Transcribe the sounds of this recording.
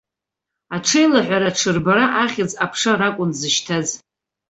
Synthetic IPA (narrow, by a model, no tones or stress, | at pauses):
aʈ͡ʂʰejlaħᶣʷaɾaʈ͡ʂʰɨrbaɾaʔaχʲɪd͡zʼapʰʂarakʷʼʊnzɨʃtʰaz